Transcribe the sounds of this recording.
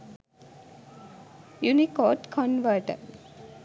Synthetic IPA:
junikɔːʈkʰɔnʋəʈə̰ɾ

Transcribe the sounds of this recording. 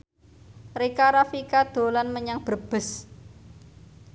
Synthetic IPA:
rikaɾafikad̪̥o̤lanməɲaŋb̥ərb̥ə̤s

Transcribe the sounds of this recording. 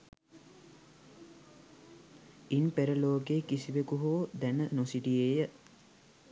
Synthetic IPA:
inpeɾəloːkeːkisiʋekuɦoːd̪ænənosiʈieːjə

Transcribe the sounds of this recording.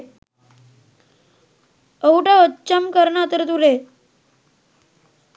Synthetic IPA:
əuʈaət͡ɕəmkəɾɳat̪əɾt̪uɾe

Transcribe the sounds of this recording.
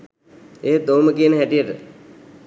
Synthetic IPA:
eɦed̪owməkijənəɦæʈijəʈə

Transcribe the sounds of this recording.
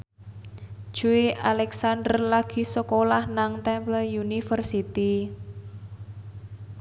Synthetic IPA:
ʒ̥uiʔalɛksand̪ərlaɡ̥i̤səkolahnaŋt̪ɛmpləjunifərsit̪i

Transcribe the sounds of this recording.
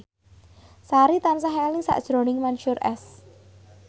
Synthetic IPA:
saɾit̪ans̬aɦɛlɪŋsa̰ʔd̥ʒ̥ɾo̤nɪŋmanʃʊɾʔɛ̰s

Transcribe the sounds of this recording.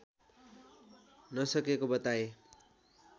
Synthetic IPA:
nʌsʌkekobʌt̪ae

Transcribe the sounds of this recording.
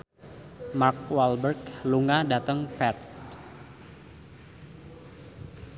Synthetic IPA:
mark̚walbərkluŋadat̪əŋpɛt̪̚

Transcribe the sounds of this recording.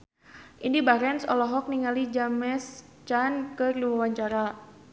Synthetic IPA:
ʔindibaɾɛnsɔ̰lɔɦɔk̚niŋalid͡ʒamɛs | t͡ʃankɨrliwawaɲt͡ʃaɾa

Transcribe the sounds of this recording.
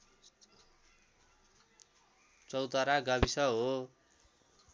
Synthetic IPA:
t͡sʌwt̪ʌɾaɡʌbisʌɦo

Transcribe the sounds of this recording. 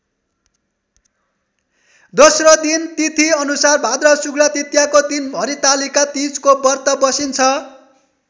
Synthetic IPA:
d̪osrʌd̪int̪it̪ʰiʌnusarbʱad̪rʌsuɡɽʌt̪it̪jakot̪inbʱʌɾit̪alikat̪id͡zkobʌrt̪ʌbʌsint͡sʰʌ

